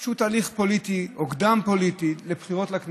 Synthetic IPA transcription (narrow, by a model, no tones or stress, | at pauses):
ʃut̪aliχpo̞lit̪iokd̪ampo̞lit̪ilebχiʁo̞tlakn